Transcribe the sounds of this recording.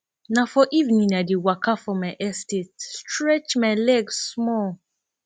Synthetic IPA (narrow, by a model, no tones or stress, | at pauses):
nãfɔʔivnĩnadiwakʰafɔmãɪʔɛstetstʰɾɛt͡ʃmãlɛɡsmɔl